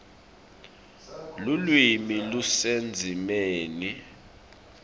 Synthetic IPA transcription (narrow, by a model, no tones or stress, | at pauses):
lulwimilusend͡zʱimeːni